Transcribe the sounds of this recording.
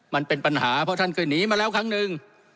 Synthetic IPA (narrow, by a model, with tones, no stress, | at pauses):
ma˧npe˧npa˧nhaː˩˦pʰɔ˦˥t̪ʰa˥˩nkʰɯː˧˩jniː˨˩˦maː˧lɛː˦˥˩wkʰa˦˥ŋnɯ˨˧ŋ